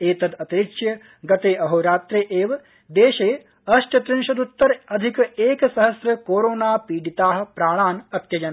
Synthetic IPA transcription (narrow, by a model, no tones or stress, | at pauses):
eːt̪ɐd̪ɐt̪iɾikʃjɐ | ɡɐt̪eːɐɦoɾaːt̪ɾeʔeːʋɐ | d̪eːʃeː | ɐʃt͡ʃɐt̪ɾɪnʃɐd̪ut̪ːɐɾɐd̪ʱikeːksɐɦɐsɾɐkoːɾoːnaːpiːɖit̪aːɦɐ̆pɾaːɭ̃aːnɐt̪jɐd͡ʒɐn